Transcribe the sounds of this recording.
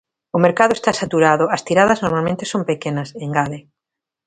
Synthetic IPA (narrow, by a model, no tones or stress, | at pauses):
ʊmeɾkaðʊest̪asat̪uɾaðʊɐst̪iɾaðɐznoɾmalmẽnt̪esompekenɐseŋɡaðe